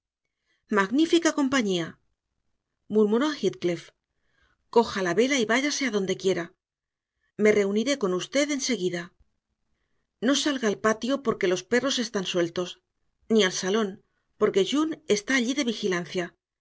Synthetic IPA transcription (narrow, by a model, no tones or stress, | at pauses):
maɣnifikako̞mpaɲia | muɾmuɾo̞axit̪klef | ko̞xalaβe̞laiβaʝase̞aðo̞nd̪e̞kje̞ɾa | me̞re̞uniɾe̞ko̞nust̪e̞ðe̞nse̞ɣiða | no̞salɣaːlpat̪jo̞po̞ɾke̞lo̞spe̞ro̞se̞st̪answe̞lt̪o̞s | nialsalo̞n | po̞ɾke̞ʝune̞st̪aːʎiðe̞βixilan̟θja